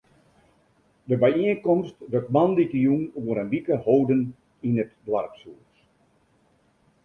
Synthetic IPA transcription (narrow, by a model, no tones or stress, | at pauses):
dəbɛjiənkɔmstdøkmanditəjunuəɾənbikəhoːdən | inətdwa̰rpsuəs